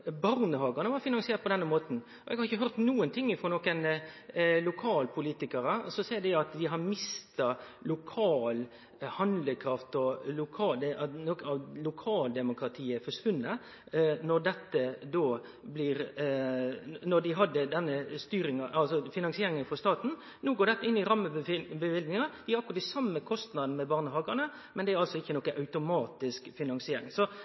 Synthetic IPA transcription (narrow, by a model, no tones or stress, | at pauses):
bɑɾnəhɑːɡɑnəʋɑɾfɪnɑŋsɪeːɾt̪̚pʰɔd̪ɛnːəmoːt̪n̩ | ʔɔʔɛ̰ɡhɑɾɪçəɦœɾt̪nuːənt̪ʰɪŋːɪfɾoːnoːkən | lʊkʰɑːlpʰʊliːt̪ɪkɑɾəsɔsæɪd̪ɪɑt̪d̪ɪɦɑɾmɪst̪ɑlʊkʰɑːl | hɑnd̪ləkʰɾɑft̪ɔlʊkʰɑːd̪ɛnɔkəɑʋlʊkʰɑːld̪ɛmʊkɾɑt̪ʰiːəfɔʂʋʉnːə | nɔd̪ɛt̪ːəd̪oː | blɪɾ | nɔɖ̪ɪɦɑd̪ːəd̪ɛnːəst̪yːɾɪŋɑʔɑlsɔfɪnɑŋsɪeːɾɪŋənfɔst̪ɑːt̪n̩ | noːɡoːɾɖ̪ɛt̪ːəɪnːɪɾɑmːəbəʋɪlɡnɪŋɑd̪̥ɪɾɑkɾɑt̪ɪsɑmːəkʰɔst̪nɑd̪n̩mɛbɑːʁnəhɑːɡɑnə | mɛnd̪ɛæɾɑlsɔɪçːənɔkːəʔɑʉt̪ʊmɑːt̪ɪskfɪnɑŋsɪeːɾɪ̰ŋsɔ